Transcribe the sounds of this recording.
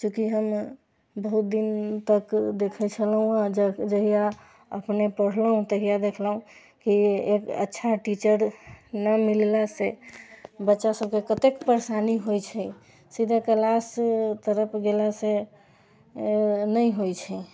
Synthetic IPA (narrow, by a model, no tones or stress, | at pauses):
kjũkiɦəm | bəɦut̪̚d̪int̪əkd̪ekʰɛt͡ʃʰəlɦũãd͡ʒd͡ʒəɦija | ə̰pnepəɽ̤lɦũt̪əɦijad̪ekʰlũ | kiekə̰tːʃʰaʈit͡ʃəɾnəmillase | bətːʃasəb̚kekət̪ekpəɾsaniɦojt͡ʃʰɛ | sid̪ʱəkəlast̪əɾəpʰɡelase | nəjɦojt͡ʃʰɛ